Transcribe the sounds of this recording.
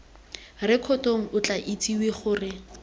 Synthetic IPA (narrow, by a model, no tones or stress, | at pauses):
rɪkʰɔtoŋ̩ʊt͡ɬaʔit͡siweχʊːrɪ